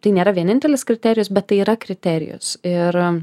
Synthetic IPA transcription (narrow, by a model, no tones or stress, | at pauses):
t̪ɐɪnʲeːɾɐʋʲiɛnʲɪnʲt̪ʲɛlʲɪskɾʲɪt̪ʲɛːɾʲɪjʊsbʲɛt̪t̪ːɐɪiːɾɐkɾʲɪt̪ʲæːɾʲɪ̰jʊ̰sɪr